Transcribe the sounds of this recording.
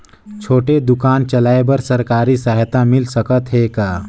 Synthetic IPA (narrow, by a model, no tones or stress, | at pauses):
t͡ʃʰoːʈed̪ʊkaːnt͡ʃəlaːebəɾsɐɾkaːɾisaɦt̪amɪlsəkət̪ɦekaː